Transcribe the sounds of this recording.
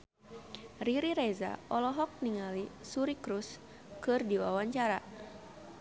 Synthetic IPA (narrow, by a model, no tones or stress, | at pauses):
riɾiɾɛza̰ʔɔlɔɦɔk̚niŋalisuɾikɾus | kɨrdiwawaɲt͡ʃaɾa